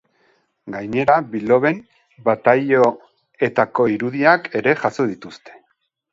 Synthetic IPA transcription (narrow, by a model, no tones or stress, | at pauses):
ɡajɲe̞ɾaβilo̞βe̞n | bat̪ajo | e̞t̪ako̞iɾuðiake̞ɾe̞ʝaso̞ðit̪ust̪e̞̥